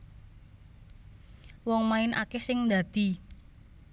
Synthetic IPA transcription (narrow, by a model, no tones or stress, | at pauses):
wɔŋmaɪnʔa̰kɛhsɪŋd̪a̤d̪̥i̤